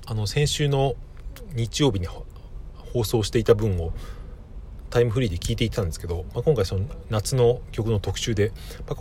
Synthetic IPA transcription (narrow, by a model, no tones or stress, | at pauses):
ano̞sẽ̞ɰ̃ɕɨːno̞ɲ̟it͡ɕijo̞ːbʲiɲ̟i | ho̞ːso̞ːɕi̥t̪e̞it̪abɯ̟̃ɰ̃o̞ | t̪aimɯ̟ɸɯ̟ɾʲiːd̪e̞kʲiːt̪e̞it̪ʰːãnd̪eske̞d̪o̞makõŋkaisononat͡sɨno̞kʲo̞kɯ̟no̞t̪o̞kɯ̟̥ɕɨːd̪e̞ma